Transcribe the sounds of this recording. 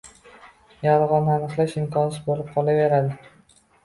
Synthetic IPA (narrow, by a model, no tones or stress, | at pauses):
jaɾʁɒnanɨqlˠaʃɪmkɒnɪsbolɪp̚qʰɒlˠave̞ɾad̪ɪ